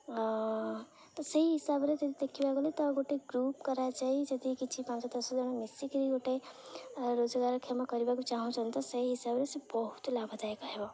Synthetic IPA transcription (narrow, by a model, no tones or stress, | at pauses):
t̪ɔsəɦiɦisabɾet̪ɐd̪id̪ekʰibakolet̪ɔɡoʈeɡɾupkɔɾat͡ʃaɦid͡ʒʌd̪ikit͡ʃʰipãnt͡ʃɔt̪ɔsod͡ʒɔñemisikɾiɡoʈe | ɾod͡ʒəɡaɾəkʰjamakɔɾibakut͡ʃaɦũt͡ʃʰɔnt̪ɔsɐɦiɦisabɾesẽbɔɦut̪labʱɔd͡ʒaekaɦebɔ